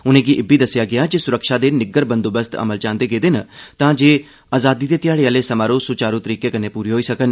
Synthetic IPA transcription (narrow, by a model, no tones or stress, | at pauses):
ʊnẽːɡiʔɪbiːd̪əsːɪjaːɡɪaːd͡ʒesʊɾəkʃaːd̪eːnɪɡəɾbə̃nd̪oːbəst̪ə̰məlt͡ʃãːnd̪eːɡeːd̪ɪnt̪ãːd͡ʒeː | aːzaːd̪iːd̪eːt̪ɪjaːɽeaːleːsəmaːɾõːsʊt͡ʃaːɾũːt̪əɾiːkeːkəneːpuːɾiɦoːiːsəkən